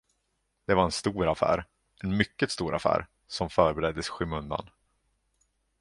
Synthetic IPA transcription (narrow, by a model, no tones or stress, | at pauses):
d̪̥ɛvaɾɛnst̪uːɾafæ̰ːɾ | ɛnmʏkːət̪st̪uːɾʔa̰fæ̰ːɾ | sɔmfœːɾbɛɾɛd̪ːəsɧʏmɵnd̪a̰n